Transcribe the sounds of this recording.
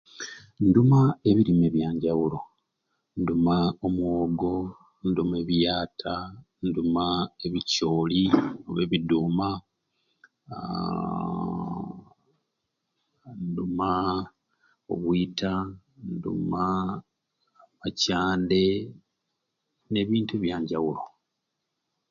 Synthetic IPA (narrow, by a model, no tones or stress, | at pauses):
ndumae̞βiɾime̞βjaːɲɟawuɾo̞ | ndumaomwoːɡo̞ | ndume̞βjaːtʰa | ndumae̞βico̞ːlio̰βeβiduːma | nduma | o̞̰βwitʰa | ndṵma | macaːnde̞ | ne̞ːβiːntuβjaːɲɟawulo̞